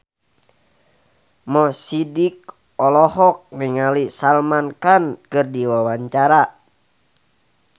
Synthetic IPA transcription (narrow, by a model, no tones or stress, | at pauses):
mɔsidik̚ | ɔlɔhɔk̚niŋalisalmankankɨrdiwawaɲt͡ʃaɾa